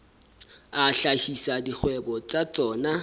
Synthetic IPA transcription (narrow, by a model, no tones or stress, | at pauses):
aɬaʃisadik͡xʰwɛbɔt͡sat͡sʼɔːna